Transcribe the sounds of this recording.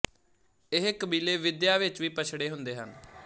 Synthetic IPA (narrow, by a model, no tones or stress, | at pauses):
ɪɦkəbiːleːʋɪd̪jaːʋɪt͡ʃʋiːpət͡ʃʰɽeːɦʊnd̪eːɦən